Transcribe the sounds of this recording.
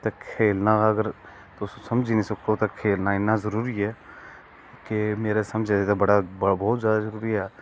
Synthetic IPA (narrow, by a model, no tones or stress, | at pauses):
t̪ekʰeːlnaːəɡəɾ | t̪osusəmd͡ʒiːnisəkʰot̪akʰeːlnaːɪnːaːzəɾuːɾiɛː | kemeːɾesəmd͡ʒed̪et̪abəɽabɔːt̪zjaːd̪azəɾuːɾiɦɛː